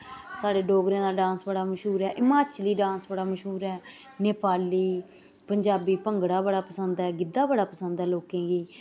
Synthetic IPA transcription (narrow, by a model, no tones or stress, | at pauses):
saːɖeːɖoːɡɾẽːd̪aːɖãːnsbəɽaːməʃɦuːɾɛːʔɪmaːt͡ʃliːɖãːnsbəɽaːməʃɦuːɾɛː | neːpaːliː | pəɲd͡ʒaːbiːpəŋɡɽaːbəɽaːpəsənd̪ɛːɡɪd̪aːbəɽaːpəsə̃nd̪ɛːloːkẽːɡiː